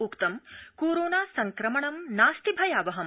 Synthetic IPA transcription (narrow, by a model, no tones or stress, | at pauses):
ukt̪ɐmkoːɾoːnaːsɐŋkɾɐmɐɳɐmnaːst̪ibʱɐjaːʋɐɦɐm